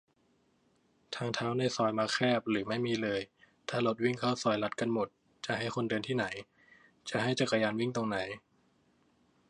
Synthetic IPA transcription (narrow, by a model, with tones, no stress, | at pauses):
t̪ʰaː˧ŋt̪ʰaː˦˥wna˧˩jsɔː˨˩jmaː˧kʰɛː˥˩p̚ɾɯː˩˦ma˥˩jmiː˧lɤː˧j | t̪ʰaː˧˩lo˨˩t̪̚wi˥˩ŋkʰa˥˩wsɔː˨˩jla˦˥t̪̚ka˧nmo˨˩t̪̚ | t͡ɕa˨˩ɦa˥˩jkʰo˧ndɤː˧nt̪ʰiː˥˩na˩˦j | t͡ɕa˨˩ɦa˥˩jt͡ɕa˨˩ka˧jaː˧nwi˥˩ŋt̪o˧ŋna˩˦j